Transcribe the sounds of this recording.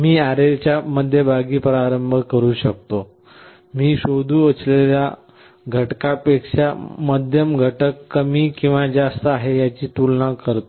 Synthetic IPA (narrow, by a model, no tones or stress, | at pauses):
miːaɾelt͡ɕjaməd̪ʱːjebʱaɡiːpɾaɾəmbʱəkəɾuːɕək̚t̪o | miːɕod̪ʱuːət͡slelja̰ | ɡʱəʈkapekʂaməd̪ʱjəmɡʱəʈəkːəmiːkĩw̃ʋad͡zast̪əaɦejat͡ɕiːt̪ulnãkəɾt̪o